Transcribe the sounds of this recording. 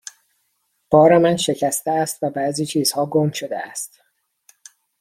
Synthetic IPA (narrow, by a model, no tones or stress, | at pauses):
b̥ɒːɾemænʃecʰæst̪eæst̪væbæːziːt͡ʃʰiːz̥hɒːɡomʃod̪eæst̪